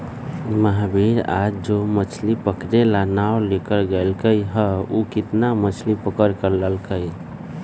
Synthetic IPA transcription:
məɦbʱiɾa̰d͡ʒd͡ʒomət͡ʃʰlipəkɾelanawlekəɾɡəlkəjɦəukɪt̪namət͡ʃʰlipəkəɾkəɾləlkəj

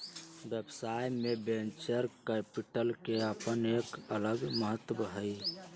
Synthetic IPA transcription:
bebsajmebẽnt͡ʃəɾkɛpiʈəlkeəpənekələɡməɦət̪ːbəɦəi

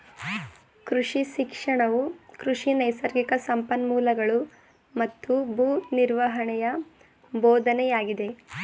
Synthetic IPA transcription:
kɾuʂiʃikʂɐɳɐʋukɾuʂinɐjsɐɾɡikɐsɐmpɐnmuːlɐɡɐɭu | mɐt̪ːubʱuːniɾʋɐɦɐɳɛjɐ | boːd̪ʱɐnɛjaːɡid̪e̞

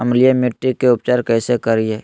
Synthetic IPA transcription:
ɐmlijamɪʈːikeʊpt͡ʃaːɾkɛːsekəɾiɦɛː

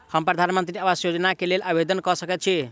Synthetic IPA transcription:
hʌmpɾʌd̪ʱanmənt̪ɾiəbasjod͡ʒʌnakelelʔabed̪ənkʌsʌket̪̚t͡ʃʰi

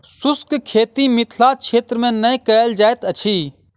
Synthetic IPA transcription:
sʊskkʰeːt̪imɪt̪ʰlat͡ʃʰeːt̪ɾmẽnəjkəld͡ʒaːet̪ət͡ʃʰiː

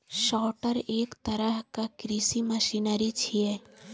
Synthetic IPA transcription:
ʃɔːʈəɾeːkt̪əɾəɦkakɾisiməʃinəɾit͡ʃʰie

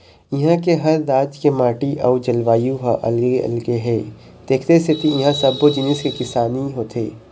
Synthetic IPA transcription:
ɪɦãkeɦɐɾd̪aːd͡ʒkemãːʈiʔɐud͡ʒɐlʋaːjuɦaʔɐ̰lɡeɐ̰lɡeɦɛː | t̪eːkʰt̪eset̪ijɪɦãsɐbod͡ʒɪnɪskekɪsaːniɦoːt̪ʰḛː

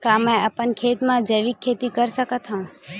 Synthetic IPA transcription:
kamẽapənkʰet̪mãd͡ʒəjʋikʰːet̪ikəɾsəkət̪ɦə̃ũ

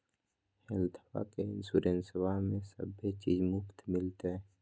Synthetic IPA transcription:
hɛlt̪ʰəba̰kensuɾensəwamẽsə̰bet͡ʃiːzmʊpt̪mɪlt̪eɛ

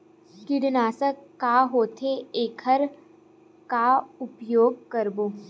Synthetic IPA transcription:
kɪɾnaːsəkːaːɦoːt̪ʰeeːkʰəɾ | kaʊpjoːɡ̚kɐɾboː

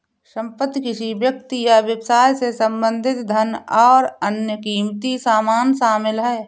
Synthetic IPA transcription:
ʃə̃mpət̪kɪsibjək̚t̪ijawjəbsaːjsesə̃mbə̃nd̪ʱɪt̪d̪ʱənɔːɾənjəkiːmt̪isaːmaːnsaːmɪlɦɛː

